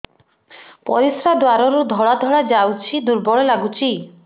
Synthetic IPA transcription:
pɔ̰ɾisɾad̪waɾɔɾud̪ʱɔɭad̪ʱɔɭad͡ʒawt͡ʃʰid̪uɾbɔɭɔlaɡut͡ʃʰi

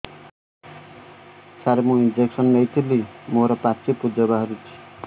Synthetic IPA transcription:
saɾmuind͡zeksʌnːʌjt̪ilimoɾʌpat͡sipud͡zʌbaɦʌɾut͡sʰi̥

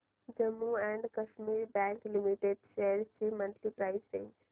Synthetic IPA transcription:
d͡ʒəmːuɛ̃ɳɖkəʃmiɾbɛ̃ŋklimiʈeɖseɾsimənʈlipɾaɪst͡ʃẽnd͡ʒ

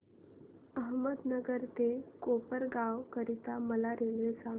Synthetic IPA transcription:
əɦməd̪nəɡəɾt̪ekopəɾɡawkəɾit̪aməlaɾenʋesãŋ

